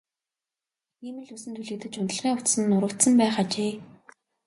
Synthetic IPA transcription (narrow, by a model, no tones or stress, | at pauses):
iːmɘ̆ɮusɘ̆nt̪ʰuɮɘ̆k̚t̪ɘ̆t͡ɕʊnt̪ə̆ɮʁiːŋʊt̪sə̆nːʊɾə̆kt̪sə̆mpæːχat͡ɕeː